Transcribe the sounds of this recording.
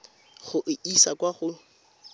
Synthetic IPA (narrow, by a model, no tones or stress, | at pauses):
χʊʔɪisakwaχʊ